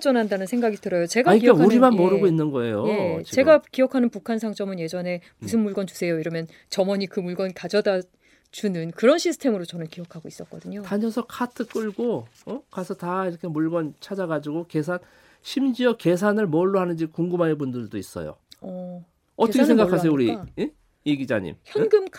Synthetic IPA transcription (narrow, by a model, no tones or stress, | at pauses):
t͡ɕʌnandanɯnsʰe̞ŋɡaɡitɯɾʌjot͡ɕe̞ɡaɲikauɾimanmʌɾɯɡoinːɯnɡʌe̞̰jojee̞ɡakijʌkʰanɯnpukʰansʰaŋt͡ɕ͈ʌmɯnje̞d͡ʑʌne̞ | musʰɯnmuɭɡʌnt͡ɕu̥sʰe̞joiɾʌmjʌn | t͡ɕʌmʌɲikɯmuɭɡʌnkad͡ʑʌda | t͡ɕunɯnkɯɾʌnɕʰisʰɯ̥tʰemɯɾot͡ɕʌnɯnkiʌkʰaɡois͈ʌt̚k͈ʌdɯɲotaɲʌsʰʌkʰatʰɯk͈ɯɭɡoʌkasʰʌtaiɾʌkʰe̞muɭɡʌnt͡ɕʰad͡ʑaɡad͡ʑiɡoke̞sʰan | ɕʰimd͡ʑiʌke̞s̬ʰanɯɭmʌɭːoɦanɯnd͡ʑikuŋɡɯmɦanɯbundɯɭdois͈ʌ̰jo̰ʌ | ʌtʰʌkesʰeŋɡakʰas̬ʰejouɾie | eɡid͡ʑaɲḭmçjʌnɡɯm